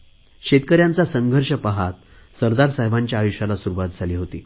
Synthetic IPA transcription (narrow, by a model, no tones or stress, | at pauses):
ɕet̪̚kəɾjant͡sasəŋɡʱəɾʂəpaɦat̪̚ | səɾd̪aɾsaɦjʋaɲt͡ɕjaːjuɕalasuɾuʋat̪̚d͡zʱaliːɦot̪iː